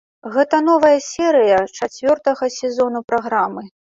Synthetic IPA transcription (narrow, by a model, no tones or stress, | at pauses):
ɣɛt̪ɐn̪ɔvɐjɐsʲɛɾɨjɐt͡ʂat͡sʲvʲɔrt̪ɐɣɐsʲɛzɔn̪upɾaɣɾamɨ